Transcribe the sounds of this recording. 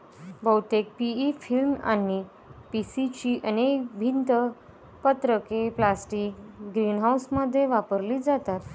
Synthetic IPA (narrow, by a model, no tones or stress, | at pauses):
bəwt̪ek̚piifilma̰nːi | pisit͡ɕiʔənekbʱint̪ə | pət̪ɾəkeplasʈiːkɡɾinɦawsməd̪ʱːjeʋapəɾliːd͡zat̪at̪